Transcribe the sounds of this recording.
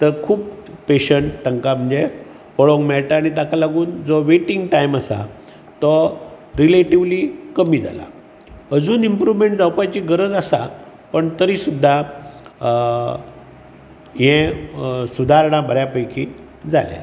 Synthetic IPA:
t̪əɾkʰuːp̚peɕəɳʈːəŋkam̤əɳd͡ze | pɔɭoŋɡmɛɭʈaːɽ̃it̪akalaɡuːnd͡zɔʋeʈiŋɡʈajmasa̰ | t̪ɔ | ɾileʈiʋliːkəmiːd͡za̰la̰ | əd͡zuːnimpɾuʋmeɳʈd͡zawpajt͡ɕiːɡəɾəd͡zasa | pəɳt̪əɾiːsud̪ʱːa | ɦẽsud̪ʱaɾɳ̃abʱəɾjapəjkʰi | d͡za̰lḛ

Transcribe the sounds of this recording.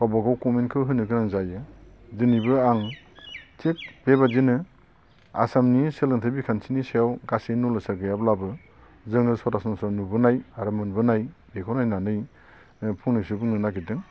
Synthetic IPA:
kawbaɡawkɔmenkʰɯwɦɯnɯɡɯnaŋzajɯ | zɯnibɯaŋ | t͡ʃek̚b̥ebazinɯ | a̰samniselɯntʰabikʰansinisejawɡasenulɯsaɾɡɯjablabɯ | zɯŋɯsɔɾasɔnsanubɯnajaɾamɯnbɯnajbekʰɔnajnanɯj | pʰuŋnɯsɯbɯŋnɯnaɡidɯŋ

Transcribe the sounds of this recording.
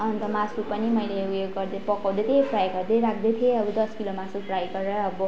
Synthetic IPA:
ʌnt̪ʌmasupʌnimʌjleujoɡːʌrd̪epʌkaw̃d̪et̪ʰepʰrajɡʌrd̪eɾak̚ʰd̪et̪ʰieʌbud̪ʌskilomasupʰrajkʌɾʌːbʌ

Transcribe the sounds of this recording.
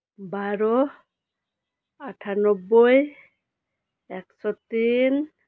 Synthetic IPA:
baɾɔ | aʈʰanɔbːoj | ɛksɔt̪in

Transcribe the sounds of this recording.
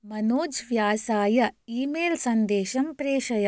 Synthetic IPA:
mɐnoːd͡ʒʋjaːsaːjɐiːmeːlsɐnd̪eːʃɐmpɾeːʃɐjɐ

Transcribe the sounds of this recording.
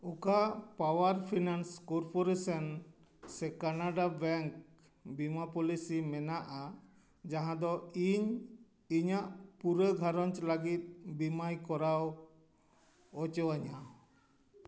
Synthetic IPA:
ukapawaɾpʰinanskɔɾpɔɾesən | sɛkanaɖabɛŋk | bimapɔlisimɛnaʔa | d͡ʒaɦãd̪ɔiɲ | iɲaʔpuɾəɡʱaɾɔɲt͡ʃlaɡit̪̚bimajkɔɾaw | ɔt͡ʃɔwaɲa

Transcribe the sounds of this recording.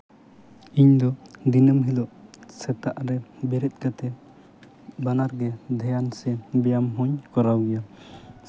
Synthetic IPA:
iɲd̪ɔd̪inəmɦilɔʔsɛt̪aʔɾɛbɛɾɛt̪̚ˀkat̪ɛ | banaɾɡɛd̪ʱɛjansɛbɛjamɦɔɲkɔɾawɡɛja

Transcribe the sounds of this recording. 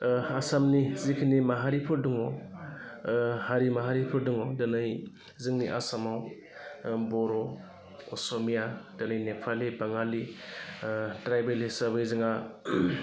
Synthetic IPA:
asamnizikʰinimaɦaɾipʰɯɾduŋɔ | haɾimaɦaɾipʰɯɾduŋɔwdanɯj | zɯŋniʔa̰samaw | bɔɾɔ | kɔsɔmijad̥anɯjnepʰalibaŋali | tɾajbelisaɾbɯjzɯŋa

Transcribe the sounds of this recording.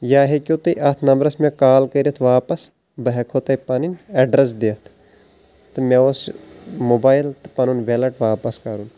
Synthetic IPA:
jaːɦekʲjot̪ɨʔɐt̪ʰnɐmbɾɐsmẽkaːlkəɾiɐt̪ʰʋaːpɐs | bɐɦɛkʰot̪ɐjpɐninɛɖɾɐs̬d̪eːt̪ʰ | t̪ɨmẽosmoːbaːjlt̪ɨ̥pɐnunʋelɐʈʋaːpɐskɐɾun

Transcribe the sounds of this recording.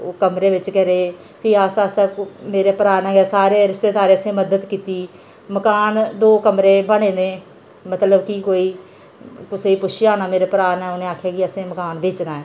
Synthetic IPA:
oːkəmɾeːʋɪt͡ʃkɛːɾeː | pʰɪaːsaːsaːmeːɾeːpəɾaːnɛ̃ːɛːsaːɾeːɾɪst̪eːd̪aːɾeːəsẽːməd̪əd̪kiːt̪iː | məkaːnd̪oːkəmɾeːbəɽẽːnẽː | mət̪ləbkiːkoːiː | kʊseːiːpʊʃɪjaːnaːmeːɾeːpəɾaːnɛːʊnẽːaːkʰjaːkɪəsẽːməkaːnbeːt͡ʃnaːɛː

